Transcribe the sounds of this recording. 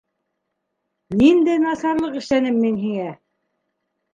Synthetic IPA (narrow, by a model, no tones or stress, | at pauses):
nind̪æjnɑsɑɾlˠɤqɘ̆ʃlænɘmːinɦiŋæ